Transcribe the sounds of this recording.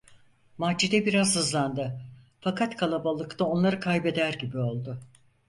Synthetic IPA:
mad͡ʒid̪ɛbiɾazhɯzlˠand̪ɯ | fakʰat̪kʰalˠabalˠɯkt̪ʰao̞nlˠaɾɯkʰajbe̞d̪æɾɟibio̞lˠd̪ʊ

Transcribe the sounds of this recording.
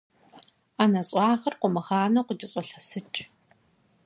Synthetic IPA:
anɐɕʼɑːχɐrqʷʊmɐχaːnɐqʷʊd͡ʒʼɪɕʼɔɬɐsɨt͡ʃʼ

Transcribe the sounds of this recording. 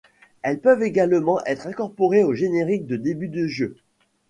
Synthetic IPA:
ɛlpœveɡalmɑ̃ʔɛt̪χɛ̃kɔʁpɔʁeoʒeneʁik̚d̪əd̪ebyd̪əʒø

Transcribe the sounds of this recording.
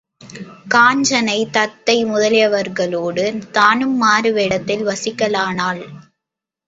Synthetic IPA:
kaːɲd͡ʒɐnɐɪt̪ɐt̪ːɐɪmʊðɐlɪjɐʋɐɾɣɐɭoːɽɯt̪aːnɯmːaːɾɯʋeːɽɐt̪ːɪlʋɐsɪkːɐlaːnaːl

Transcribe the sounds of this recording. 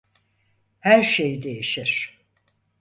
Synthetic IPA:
hæɾʃejd̪e̞jiʃiɾ̥

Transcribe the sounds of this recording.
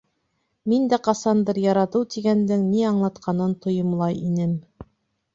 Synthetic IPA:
mind̪æqɑsɑnd̪ɤɾjɑɾɑt̪ɤwt̪iɡænd̪ɘŋniɑɴlˠɑt̪qʰɑnɤnt̪ŏjŏmlˠɑjinɘm

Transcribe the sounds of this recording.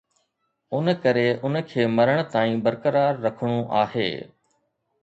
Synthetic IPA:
ʊnkəɾeʔʊnəkʰeːmɐɾəɽ̃̆t̪aːĩːbəɾkəɾaːɾːɐkʰɽ̃uʔaːhḛː

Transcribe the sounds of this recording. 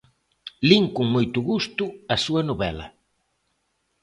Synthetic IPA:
liŋkuŋmojt̪ʊɣust̪ʊɐsuɐnoβɛ̰lɐ̰

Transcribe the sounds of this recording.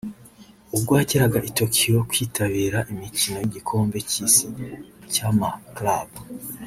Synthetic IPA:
ub̚ɡwaːciɾaɡaʔito̞kʰijo̞kwiːtʰaβiːɾaʔimicino̞jiɟikʰo̞ːmbe̞cisicamaklabu

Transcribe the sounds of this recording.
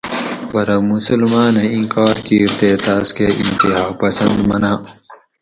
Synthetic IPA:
bɐɾɐmusəlmaːneĩnkaːɾkiɾt̪et̪aːskeʔḭ̃nt̪iɦaːpɐsɐnd̪mɐnaː

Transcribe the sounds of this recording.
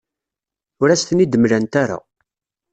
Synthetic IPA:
ʊɾæst̪nid̪əmlænt̪aɾa̰

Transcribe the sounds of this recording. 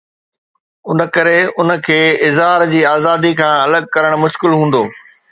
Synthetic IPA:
ʊnə̆kɐɾeʊnə̆kʰeːɪzɦaːɾd͡ʑiːaːzaːd̪ikʰãːɐləɡ̚kɐɾəɽ̃mʊʃkɪlɦũːn̆d̪oː

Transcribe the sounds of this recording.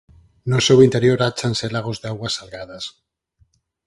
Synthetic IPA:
nosewint̪eɾjoɾat͡ʃanselaɣ̞ozðeawasalɣað̞as

